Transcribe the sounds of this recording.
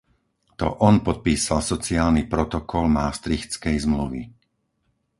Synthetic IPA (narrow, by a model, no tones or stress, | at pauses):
t̪ɔ̰ʔɔnpɔt̪̚piːsalsɔt͡siaːlnipɾɔt̪ɔkɔlmaːst̪ɾixt͡skɛjzmluʋḭ